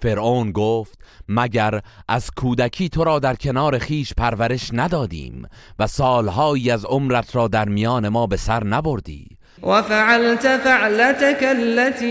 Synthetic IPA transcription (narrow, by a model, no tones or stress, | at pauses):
fe̞ɾʔoːnɡoːft̪mæɟæɾʔæz̥kʰuːd̪ækʰiːt̪ʰo̞ɾɒːd̪æɾcʰe̞nɒːɾe̞xiːʃpʰæɾvæɾe̞ʃnæd̪ɒːd̪ḭːm | væsɒːlɦɒːjiːæzo̞mɾæt̪ʰɾɒːd̪æɾmijɒːne̞mɒːbe̞sæɾnæbo̞ɾd̪ḭː | wafaʕalt̪ʊfaʕlat̪akalːat̪iː